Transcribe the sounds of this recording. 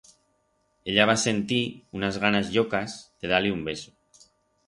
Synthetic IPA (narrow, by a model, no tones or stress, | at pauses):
eʎaβ̞ase̞nt̪iunazɣanazʎokazð̥e̞ð̞aleumbe̞so̥